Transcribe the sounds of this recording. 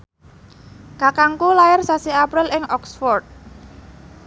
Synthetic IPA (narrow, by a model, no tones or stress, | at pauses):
kakaŋkulajɪrsasiapɾɪlɪŋɔksfɔrt̪̚